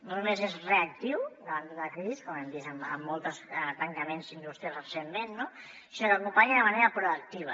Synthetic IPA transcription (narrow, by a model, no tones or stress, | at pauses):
nonumezezreak̚t̪iwd̪əβand̪əðlɐkɾiziskomemd̪izəmə̰mːolˠt̪əst̪ɐŋkɐmenzind̪ust̪ɾijəzrəsemmenːo | siɾokupaʎðəmɐneɾəpɾoək̚t̪iβ̞ɐ̰